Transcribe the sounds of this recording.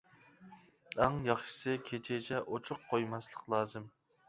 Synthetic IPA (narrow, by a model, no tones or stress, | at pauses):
æŋjɑχʃɨ̥sɨkʲʰet͡ʃʰɛt͡ʃʰɛʔot͡ʃʰʊqqʰːojmɑslˠəqlˠɑːzɨm